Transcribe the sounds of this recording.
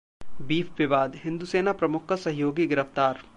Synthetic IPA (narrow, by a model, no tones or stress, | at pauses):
biːpʋɪʋaːd̪ɦɪ̃nd̪useːnapɾɐmʊkʰsɐɦjoːɡiɡɪɾəft̪aːɾ